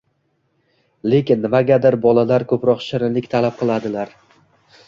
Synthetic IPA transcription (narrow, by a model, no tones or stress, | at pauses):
le̞kʲɪnːɪmaɡʲad̪ɪɾbɒlˠalaɾkʰɵpɾɒqʃɪɾɪlɪkʲt̪ʰalap̚qʰɨlˠad̪ɪlaɾ